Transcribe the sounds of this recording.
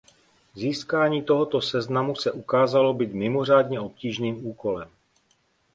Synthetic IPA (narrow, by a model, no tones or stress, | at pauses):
ziːskaːɲiːt̪o̞ɦot̪o̞sɛznamusɛʔukaːzalo̞biːt̪mɪmo̞r̝aːdɲɛo̞p̚ciːʒniːmuːko̞lɛm